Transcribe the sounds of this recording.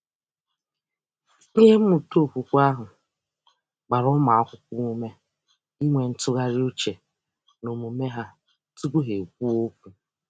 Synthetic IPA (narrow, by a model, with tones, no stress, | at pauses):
i˦ɦe˦m̩˦mʊ˨to˦˨kʷu˨kʷa˦ɦʊ˨ | ɡ͡ba˨ɾʊ˦ma˨a˦kʷʊ˦kʷu˦u˦me˦ | i˦ŋʷe˨n̩˦tʊ˦ɣa˦ɾɪ˦u˦t͡ʃe˨ | no˨mu˨me˦ɦa˦ | tu˦ɡu˦ɦe˨k̚ʷu˦o˦k̚ʷu˨